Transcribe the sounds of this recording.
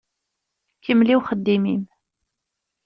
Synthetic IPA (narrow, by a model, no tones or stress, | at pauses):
kəmːliwχəd̪ːimḭm